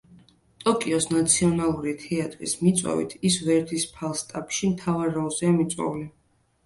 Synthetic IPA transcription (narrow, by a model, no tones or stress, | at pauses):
t̪ʼɔkʼiɔsnat̪sʰiɔnalˠuɾit̪ʰɛat̪ʼɾḭsmit̪sʼɔ̰vḭt̪ʰisvɛɾd̪ispʰalˠst̪ʼapʃimt̪ʰavaɾɔlˠzɛamit̪sʼwɔ̰uli